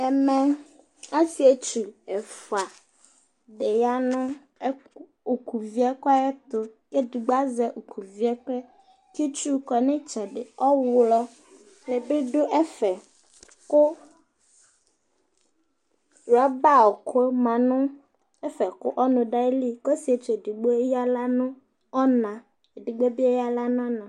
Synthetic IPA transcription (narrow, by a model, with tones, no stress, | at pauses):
ɛ˨mɛ̃˨ | a˦si˨e˦t͡ʃu˨ɛ˨fu˨a˨ | ɖe˨ja˨nʊ̃˦ | o˨ku˨vi˦ɛ˦kɔ˦ɛ˦t̪ʊ˨ke˦du˨ɡ͡ba˦zɛ˨ʔo˨kʰu˨vi˨˦ɛ˦k͡pɛ˦ | ki˦t͡ʃu˦kɔ˨nẽ˦t͡ʃɛ˨ɖɪ˨ɔ˦wlɔ˦ | nẽ˨be˦ɖo˦ʔɛ˦fɛ˨ | kʊ˦ | ɾa˦ba˦˨ɔ˨ko˦mã˨nʊ̃˦ | ɛ˦fɛ˨kʊ̰˦ʔɔ˦nʊ̃˨ɖa˦e˦li˦kɔ˦si˨˦e˨t͡ʃe˨di˨ɡ͡bo˦e˦ja˦la˦nʊ̃˦ | ɔ˦nã˨ | e˨di˨ɡ͡be˦bi˦e˦ja˦la˦nɔ̃˦nã˨